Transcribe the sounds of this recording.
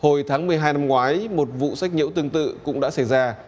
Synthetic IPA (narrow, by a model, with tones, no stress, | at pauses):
ho˨˩jt̪ʰaː˨˦ŋmɨ˨˩əjɦaː˧jna˧mŋwaː˨˦jmo˨˩t̚vṵ˧˨sa˦˥k̚ɲḭ˧˥wt̪ɨ˧əŋt̪ɨ̰˧˨kʊ̰˧˥ŋ͡mɗa̰ː˧˥sa˧˩jzaː˧